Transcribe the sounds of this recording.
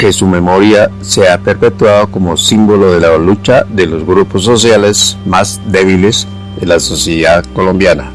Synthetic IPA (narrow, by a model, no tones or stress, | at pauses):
kesume̞mo̞ɾja | seapeɾpe̞t̪waðoko̞mo̞simbo̞lo̞ðelalut͡ʃaðelo̞zɣɾupos̬ːo̞s̬jalesmazd̪eβ̞iles | enlaso̞sjeðaðko̞lombjana